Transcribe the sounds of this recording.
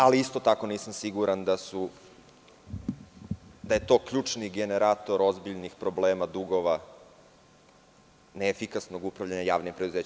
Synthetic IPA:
aliist̪o̞t̪ako̞niːsamsiɡuɾand̪asu | d̪aje̞t̪o̞ːkʎuːt͡ʂniɡe̞ne̞ɾaːt̪o̞ɾo̞zbiʎnixpɾo̞bleːmad̪uɡo̞ʋa | neːfikasno̞ɡupɾaʋʎaɲajaːʋnimpɾed̪uzeːt͡ɕ

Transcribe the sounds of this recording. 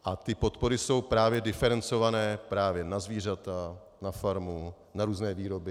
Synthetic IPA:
ʔat̪ɪpo̞t̪po̞ɾɪso̞wpɾaːvjɛdɪfɛɾɛnt͡so̞vanɛːpɾaːvjɛnazviːr̝at̪a | nafaɾmu | naɾuːznɛːviːɾo̞bɪ

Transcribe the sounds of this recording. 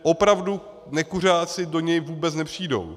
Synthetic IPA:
ʔo̞pɾavdu | nɛkur̝aːt͡sɪdo̞ɲɛjvuːbɛt͡snɛpr̝̥iːdo̞̰w

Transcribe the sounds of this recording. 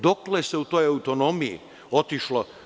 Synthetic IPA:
d̪okleseut̪oːjaut̪onomiḭ | ot̪iʃlo

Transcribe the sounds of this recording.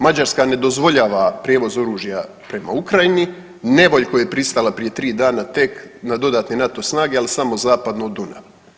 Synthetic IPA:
mad͡ʑaɾskane̞d̪o̞zʋo̞ʎaːʋapɾjeːʋo̞zo̞ɾuːʒija | pɾe̞ma̰ukɾajini | ne̞ʋo̞ʎko̞jejepɾist̪alˠapɾie̞t̪ɾiːd̪aːnat̪e̞knad̪o̞d̪aːt̪nenat̪o̞snaːɡealisamo̞zaːpad̪nod̪una̰ʋ

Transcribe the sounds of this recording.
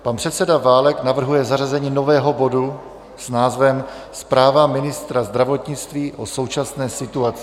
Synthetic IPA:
panpr̥ɛt̪sɛdavaːlɛknavr̩ɦujɛzarazɛɲiːno̞vɛːɦo̞bo̞du | snaːzvɛm | spɾaːvamɪnɪst̪ɾazd̪ɾavo̞t̪ɲɪt͡st̪viːʔo̞so̞wt͡ʃasnɛːsɪt̪uat͡sɪ

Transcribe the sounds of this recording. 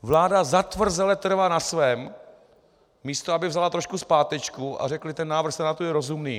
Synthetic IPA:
vlaːdazat̪vr̩zɛlɛt̪r̩vanasvɛːm | iːst̪oabɪvzalat̪ɾo̞ʃkuspaːt̪ɛt͡ʃkuʔa̰rɛklɪt̪ɛnːaːvɾr̩xsɛnat̪ujɛɾo̞zumniː

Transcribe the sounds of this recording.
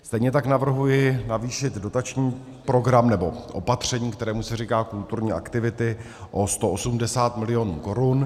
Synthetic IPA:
st̪ɛjɲɛt̪aknavr̩ɦujɪnaviːʃɪd̪do̞t̪at͡ʃɲiː | pɾo̞ɡɾamnɛbo̞ʔo̞̰pat̪r̝̥ɛɲiːkt̪ɛɾɛːmusɛriːkaːkult̪uɾɲiːʔa̰kt̪ɪvɪt̪ɪ | ʔo̞st̪o̞ʔosumdɛsaːt̪mɪlɪjo̞nṵːko̞ɾun

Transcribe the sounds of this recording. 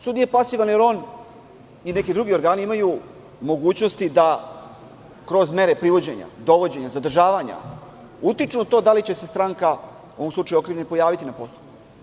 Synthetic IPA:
sud̪nijepasiʋanjeɾo̞ːn | ine̞kid̪ɾuɡio̞ɾɡaːniimaju | mo̞ɡuːt͡ɕno̞st̪id̪a | kɾo̞zme̞ɾe̞pɾiʋo̞d͡ʑe̞ɲa̰d̪o̞ʋo̞d͡ʑe̞ɲazad̪r̩ʒaːʋaɲa̰ | ut̪it͡ʂnuat̪o̞ːd̪alit͡ɕe̞sest̪ɾaŋka | uoomsluʈ͡ʂajuo̞kɾiʋʎenpo̞jaːʋit̪inapo̞st̪oju

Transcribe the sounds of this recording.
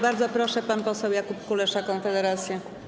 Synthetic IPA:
baɾd̪zɔpɾɔʂɛpanpɔsɛwjakupkulɛʂakɔnfɛd̪ɛɾat̪sʲjɛ

